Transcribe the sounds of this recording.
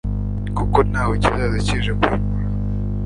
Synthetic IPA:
kuko̞n̥haːwecizaziciʒekuɾɡuɾa

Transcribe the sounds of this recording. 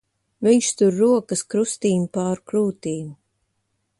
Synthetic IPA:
viɲʃt̪uɾːuɔkəskɾust̪iːmpaːɾkɾuːt̪iːmu

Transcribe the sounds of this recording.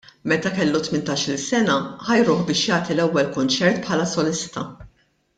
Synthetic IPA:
mɛt̪ɐkɛlːut̪mɪnt̪ɐːʃɪlsɛnɐħɐjɾʊːħbɪːʃjɐːt̪ilɛwːɛlkʊnt͡ʃɛɾt̪pħɐːlɐsɔlɪst̪ɐ

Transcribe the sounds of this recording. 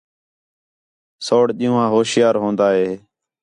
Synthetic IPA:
soːɽɗĩũːɦãːɦoːsjaːɾɦõːnd̪aːɦeː

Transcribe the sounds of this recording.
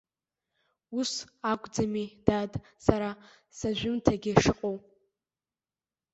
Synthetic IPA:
usakʷʼd͡zamid̥adsaɾa | saʒᶣʷʊmtʰaɡʲiʂɨqʼow

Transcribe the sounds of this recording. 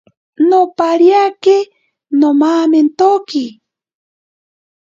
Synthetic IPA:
nopaɾjake | nomaːment̪oki

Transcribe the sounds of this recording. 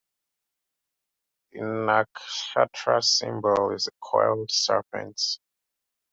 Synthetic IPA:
ðinakʃatʰɹasĩmbəlizəkʰwɛ̰ldsɛpʰɛ̰̃nts

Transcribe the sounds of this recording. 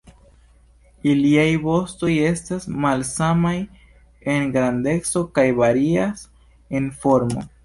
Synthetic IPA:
iliajbo̞sto̞je̞stasmalsamaj | e̞nɡɾande̞t͡so̞kajvaɾias | e̞nfo̞ɾmo̰

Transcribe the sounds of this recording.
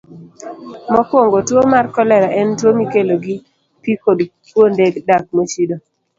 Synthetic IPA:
mɔkwoŋɡotwomarkɔlɛɾaʔɛntwomikeloɡi | pikodpwondeɡdak̚mot͡ʃido

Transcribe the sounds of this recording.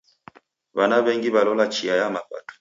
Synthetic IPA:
banabɛŋɡiβalɔlat͡ʃiajamaɸa̰tu̥

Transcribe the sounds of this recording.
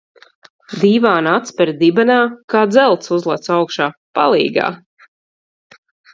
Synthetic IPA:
d̪iːvaːnat̪spɛɾd̪ibɛnaːkaːd̪zɛlˠt̪suzlˠat̪sawkʃaːpalˠḭːɡa̰ː

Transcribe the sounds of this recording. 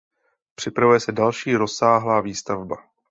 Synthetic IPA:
pr̝̥ɪpɾavujɛsɛdalʃiːɾosaːɦlaːviːst̪avba

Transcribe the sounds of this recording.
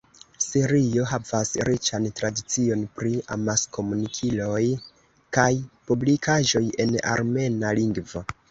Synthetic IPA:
siɾio̞ɦavasɾit͡ʃantɾadit͡sio̞npɾia̰masko̞munikʰilo̞j | kajpublikʰaʒo̞je̞na̰ɾme̞naliŋɡvo

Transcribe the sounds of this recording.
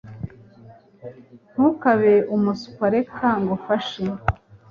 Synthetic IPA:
n̥hukaβeumusu̥kaɾekʰaŋɡofaʃe

